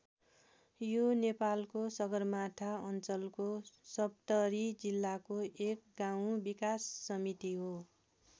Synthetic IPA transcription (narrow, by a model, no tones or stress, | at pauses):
jonepalkosʌɡʌrmat̪ʰaʌnt͡sʌlkosʌp̚t̪ʌɾid͡zilːakoʔekɡaw̃bikasːʌmit̪iɦo